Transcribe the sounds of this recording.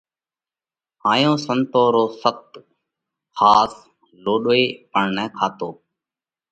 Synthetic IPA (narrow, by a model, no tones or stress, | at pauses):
haːjõːsənt̪oːɾoːsət̪ | xaːs | loːɗeːpəɳnɛːkʰaːt̪oː